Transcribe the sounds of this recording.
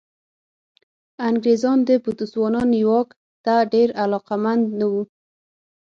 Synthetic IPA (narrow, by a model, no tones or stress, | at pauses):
aŋɡɾezɑnd̪əbut̪uswɑnɑnjwɑk | t̪aɖeɾalɑqamand̪nawu